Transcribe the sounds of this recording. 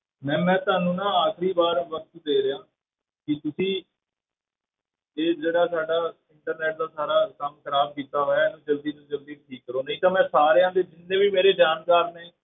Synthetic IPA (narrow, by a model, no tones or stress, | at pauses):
mɛ̃ːmɛ̃ːt̪ʊaːnũːnãːaːkʰɾiːbaːɾʋək̚t̪d̪eːɾeaː | kɪt̪ʊsĩː | eːd͡ʒeːɽaːsaːɖaːɪɳʈəɾnɛːʈ̚d̪aːsaːɾaːkəmkʰəɾaːb̚kiːt̪aːɦoːjaːeːnũːd͡ʒəld̪iːnũːd͡ʒəld̪iːʈʰiːkːəɾoːnĩːt̪ãːmɛ̃ːsaːɾeːãːd̪eːd͡ʒɪnːẽːbiːmeːɾeːɖjaːnkaːɾnẽː